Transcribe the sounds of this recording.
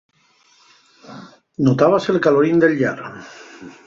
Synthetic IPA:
not̪aβaselkaloɾind̪elʲʎaɾ

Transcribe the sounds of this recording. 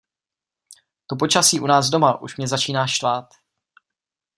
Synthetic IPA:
t̪op̬ot͡ʃasiːʔunaːzdo̞maʔṵʃmɲɛzat͡ʃiːnaːʃt̪vaːt̪

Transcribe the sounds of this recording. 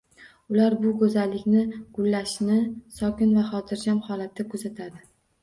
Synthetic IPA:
ʊlaɾbʊkʰɵzalːɪkʲnɪɡ̥ʊlːaʃnɪsɒkʲɪnvaχɒt̪ʰɪɾd͡ʒamhɒlat̪ʰːɪkʰɵzat̪ʰad̪ɪ

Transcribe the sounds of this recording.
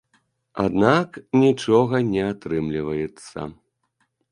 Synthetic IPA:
a̰d̪naknʲit͡ʂɔɣɐnʲɛat̪ɾɨmlʲivɐjɛt̪sːɐ̰

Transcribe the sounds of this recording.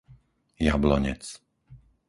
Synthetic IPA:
jablɔɲɛ̰t͡s

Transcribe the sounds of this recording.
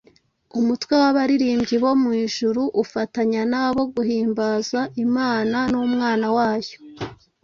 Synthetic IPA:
umutwewaβaɾiɾiːmbɟiβo̞mŋiːʒuɾuʔufataɲanaːβo̞ɡuhiːmbaːzaimaːnanumŋaːnawaːjo̥

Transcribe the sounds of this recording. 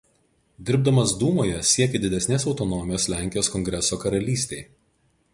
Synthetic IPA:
d̪ʲɪɾb̚d̪ɐmɐsd̪uːmoːjɛsʲiɛkʲed̪ʲɪd̪ʲɛsʲnʲeːsɒʊt̪ɔnɔmʲɪjoːslʲæˑŋʲkʲɪjoːskɔŋʲɡɾʲɛsoːkɐɾɐlʲiːsʲt̪ʲeɪ

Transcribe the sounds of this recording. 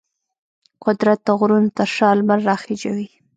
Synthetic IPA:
qʊd̪ɾat̪ːaɣɾunt̪aʂɑlmaɾːɑxed͡ʒa̰wi

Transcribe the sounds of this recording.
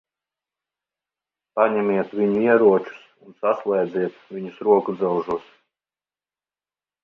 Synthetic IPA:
paɲɛmʲiɛt̪vʲiɲuiɛɾuɔt͡ʃu̥sunsaslˠɛjd̪zʲiɛt̪vʲiɲusɾuɔkud̪zɛwʒuɔs

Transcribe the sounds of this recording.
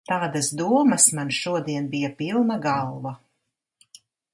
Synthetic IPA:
t̪aːd̪asd̪uɔmɐsmanʃuɔd̪iɛnbijapilˠnaɡalˠva

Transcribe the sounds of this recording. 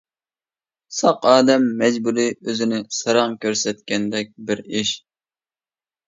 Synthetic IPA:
sɑqɑːd̪ɛmːɛd͡ʒbuɾiøzɪnɪsɨɾɑŋkʲʰøɾsɛt̪kʲɛnd̪ɛk̚ʲbɪɾiʃ

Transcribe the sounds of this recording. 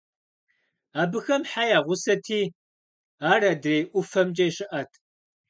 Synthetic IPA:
aːbɨxɐmħajaːʁʷʊsɐtʰiː | aːrɐdrejʔʷʊfɐmd͡ʒʼɐjɕɪʔɐtʰ

